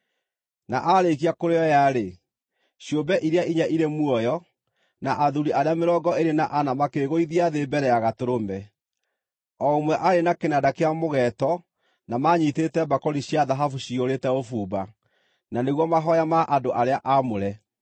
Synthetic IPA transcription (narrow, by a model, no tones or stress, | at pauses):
naʔaɾekiakoɾeɔjaɾe | ɕjobɛʔiɾeaʔiɲaʔiɾemwɔjɔ | naʔaðuɾiaɾeameɾɔːɡɔeɾenaʔanamakeːɣoiðiaðebɛɾɛaɣatoɾomɛ | ɔomwɛʔaɾenakenadakeamoɣɛtɔ | namaɲitetɛbakɔɾiɕjaðaɦafuɕioɾetɛofuːba | naneɣwɔmaɦɔjamaʔandoʔaɾeaʔamoɾɛ